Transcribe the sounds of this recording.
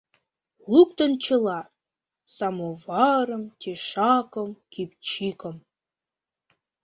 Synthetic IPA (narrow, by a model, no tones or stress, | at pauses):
luk̚t̪ə̆nt͡ɕə̆lɑ | sɑmovɑɾə̆mt̪ʲeʃɑkə̆mkip̚t͡ɕikə̆m